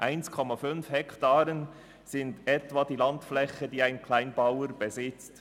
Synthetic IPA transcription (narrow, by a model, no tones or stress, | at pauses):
ʔaɪnskʰɔmɑfʏnfhɛktɑːɾən | z̥ɪntɛtvɑːd̥iːlɑntflɛçədiːaɪnkʰlaɪnbawəɾb̥ɛzɪt͡st